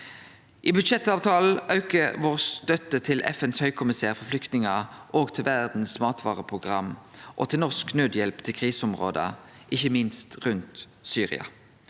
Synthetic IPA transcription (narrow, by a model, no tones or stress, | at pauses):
ʔiːbʉd̪ʃɛt̪ɑːʋt̪ʰɑːl̩œʉkəʋoːʁst̪œt̪ət̪ʰɪlʔɛ̰fɛnshœʏkʰʊmɪsæːʁfɔflʏkt̪nɪŋəʔoːɡt̪ʰɪlʋæʁd̪n̩smɑːt̪ʋɑ̰ːʁəpʰʁʊɡʁɑmʔo̰ːt̪ʰɪlnɔʁsknød̪jɛlpt̪ʰɪlkʰʁiːsəʊmʁo̰ːd̪ə̰ | ʔɪçəmɪnst̪ʁʉnt̪ | syːʁɪ̰ɑ̰